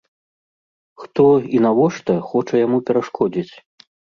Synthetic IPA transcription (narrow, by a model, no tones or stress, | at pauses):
xt̪ɔinavɔʂt̪ɐxɔt͡ʂɐjamupʲɛɾaʂkʰɔd͡zʲit͡sʲ